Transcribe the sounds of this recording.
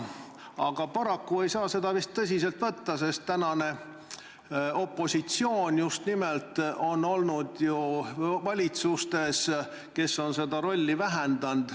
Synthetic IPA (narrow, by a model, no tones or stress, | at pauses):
ɑɡ̥ɑpɑɾɑkːue̞jsɑːse̞d̪̥ɑvist̪ːɤs̬ʲis̬e̞lt̪vɤt̪ːɑse̞st̪ːænɑne̞ | o̞pːo̞sit̪sio̞ːnʲjust̪nimelt̪o̞no̞lnud̪̥juvɑlʲit̪sust̪e̞s | ke̞sːo̞nse̞d̪̥ɑɾo̞lʲːivæɦend̪̥ɑnd̪̥